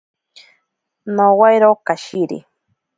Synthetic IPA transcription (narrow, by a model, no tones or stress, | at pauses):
nowajɾawkaʃiɾḭ